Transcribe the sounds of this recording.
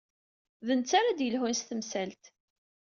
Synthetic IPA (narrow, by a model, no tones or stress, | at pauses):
ðənt͡sːaɾad̪jəlɦunst̪əmsælt̪